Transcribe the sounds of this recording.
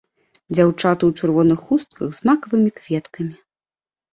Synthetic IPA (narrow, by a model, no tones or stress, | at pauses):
d͡zʲawt͡ʂat̪ɨwt͡ʂɨrvɔnɨxust̪̚kʰɐɣzmakɐvɨmʲikvʲɛt̪kʰɐmʲi